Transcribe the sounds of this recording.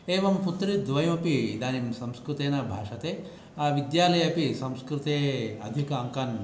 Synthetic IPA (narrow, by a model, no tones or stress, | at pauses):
eːʋɐmput̪ɾid̪ʋɐjɐmɐpid̪aːnimsɐmskɾut̪eːnɐbʱa̰ːʂɐt̪eː | aʋid̪jaːlɐjɐpisɐmskɾut̪eːɐd̪ʱikɐɐŋkɐn